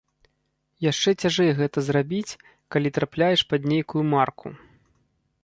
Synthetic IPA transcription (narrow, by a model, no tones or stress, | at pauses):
jaʂt͡ʂɛt͡sʲaʐɛjɛɣɛt̪ɐzrabʲit͡sʲ | kalʲit̪ɾaplʲajɛʂpad̪nʲejkujumarkʰṵ